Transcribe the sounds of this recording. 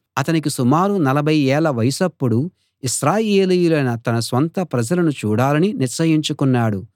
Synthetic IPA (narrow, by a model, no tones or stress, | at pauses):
ɐt̪ɐnik̬isumaːɾunɐlɐbʱɐjɛːɭɐʋɐjɐsɐpːuɽu | iʃɾaːjeːlijulɐjnɐt̪ɐnɐsʋɐnt̪ɐpɾɐd͡ʒɐlɐnut͡ʃuːɽaːlɐniniɾsɐjiɲt͡ʃukunːaːɽu